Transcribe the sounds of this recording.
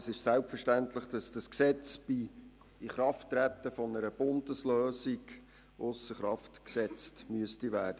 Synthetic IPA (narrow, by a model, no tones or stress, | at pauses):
sɪʃsælpfəʃtæntləχd̥ɑsd̥ɑsksɛt͡sb̥i | iχɾɑftːɾæt̪ːəfɔnəɾəb̥ʊndəsløːsiɡ | ʔʊsəχɾɑftksɛt͡stmyəstiʋæːd̥ə